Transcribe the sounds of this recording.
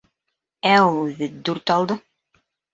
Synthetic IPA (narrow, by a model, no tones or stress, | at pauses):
æulˠʉðɘd̪ʉɾt̪ɑlˠd̪ɤ